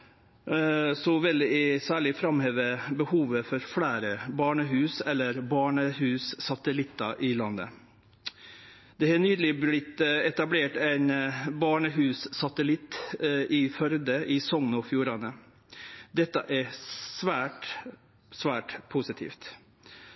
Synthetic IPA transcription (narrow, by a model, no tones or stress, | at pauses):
sɔʋɪlæɪsæːɭɪfɾɑmheːʋəbəhuːʋəfɔɾfɽæːɾəbɑːɳəɦʉːsɛlːəɾbɑːɳəhʉːssɑt̪əlɪt̪ːɑʔɪlɑnːə̰ | d̪̥ɛhɑnyːd̪əlɪblɪt̪ɛt̪ɑbleːʈæɪnbɑːɳəɦʉːssɑt̪əlɪt̪ːʔɪfœɾd̪əʔɪsɔŋnɔfjuːɾɑnə | d̪ɛt̪ːəʔæsʋæːʈ | sʋæːʈpʰʊsɪt̪ʰḭːft̪